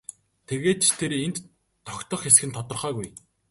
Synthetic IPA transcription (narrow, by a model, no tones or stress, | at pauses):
t̪ʰeɣeːt̪̚t͡ɕt̪ʰeɾent̪ʰː | ɔkʲt̪ɞ̆χasxɘ̆nt̪ʰɔt̪ɞ̆rχœːɣuj